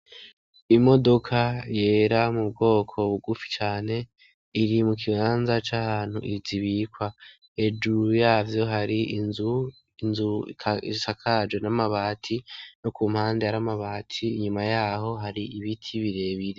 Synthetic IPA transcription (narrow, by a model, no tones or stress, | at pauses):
imo̞do̞kʰaje̞ːɾamubɡo̞ːkʰo̞βuɡufi̥t͡ʃaːne̞ | iɾimuk̬iβaːnzat͡ʃahaːn̥huʔiziβikwa | ed͡ʒuɾujaːvjo̞ɦaɾiinzu | inzṵkʰḭsakʰad͡ʒwe̞namaβaːtʰinokuːm̥haːndeaɾamaβaːtʰiːɲumajaːɦo̞ɦaɾiiβitʰiβiɾe̞βiɾe